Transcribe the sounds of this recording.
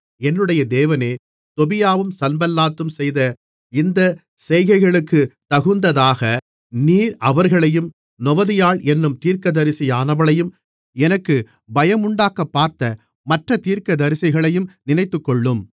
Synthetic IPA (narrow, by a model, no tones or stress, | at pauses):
ɛnːɯɽɐjɐd̪eːʋɐneː | t̪ɔbɪjaːʋɯmsɐnbɐlːaːt̪ːɯmsɛjðɐ | ɪnd̪ɐ | sɛjɣɐɪɣɐɭɯkːɯt̪ɐɣɯnd̪ɐðaːɣɐ | niːɾɐʋɐɾɣɐɭɐjɯm | nɔʋɐðɪjaːɭʔɛnːɯmt̪iːɾkɐðɐɾɪsɐjaːnɐʋɐɭɐjɯm | ɛnɐkːɯ | bɐjɐmʊɳɖaːkɐpːaːɾt̪ɐ | mɐʈrɐt̪iːɾkɐd̪ɐɾɪsɐɪɣɐɭɐjɯmnɪnɐɪt̪ːɯkːɔɭːɯm